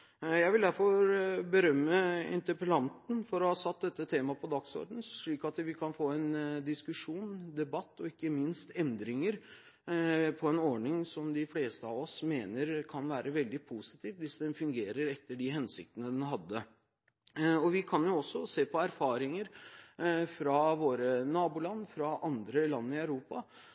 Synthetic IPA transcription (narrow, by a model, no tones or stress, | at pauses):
jæɪʋɪld̪æɾfɔɾbəɾœmːəɪ̰nt̪əɾpəlɑnt̪n̩fɔɾɔhɑːsɑt̪̚d̪ɛt̪ːət̪ʰeːmɑpʰɔd̪ɑɡsɔ̰ɾɖ̪ən̩ʂɭiːkɑt̪ʋɪkʰɑnfoːɛnd̪ɪskʉʂuːnd̪ɛbɑt̪ːɔɪkːəmɪnst̪ɛnd̪ɾɪŋəɾ | pʰɔɛnɔɳɪŋsɔmd̪ɪfleːst̪əɑʋɔsmeːnəɾkʰɑnʋæːɾəʋɛld̪ɪpʰuːsɪ̥t̪ʰiːʋʋɪsd̪ɛnfʉŋɡeːɾəɾɛt̪ːəɖɪɦɛnsɪk̚t̪ənəd̪ɛnɦɑd̪ːə | ɔʋɪkʰɑnjʊɔsːɔseːpʰɔæɾfɑːɾɪŋəɾ | fɾɑʋoːɾənɑːbʊlɑnːfɾɑʔɑnd̪ɾəlɑnːəɪɑʉɾuːpɑ